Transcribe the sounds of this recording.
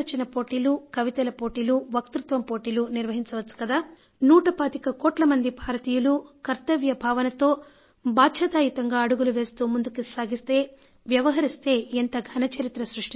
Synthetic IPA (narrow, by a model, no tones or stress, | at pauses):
ɐt͡ʃinɐpo̞ːʈiːlukɐʋit̪ɐlɐpoːʈiːluʋɐkt̪ɾut̪ʋɐmpo̞ːʈiːluniɾʋɐɦiɲt͡ʃɐʋɐt͡ʃːu̥kɐd̪aː | nuːʈɐpaːt̪ikɐkɔːʈlɐmɐnd̪ibʱaːɾɐt̪iːjulukɐɾt̪ɐʋjɐbʱaːʋɐnɐt̪o̞ː | bʱaːtʃʰɐt̪aːjit̪ɐŋɡaːɐɽuɡuluʋe̞ːst̪uːmund̪ukisaːɡist̪e̞ː | ʋjɐʋɐɦɐɾist̪e̞ːent̪ɐɡʱɐnɐt͡ʃɐɾit̪ɾɐsɾuʂʈi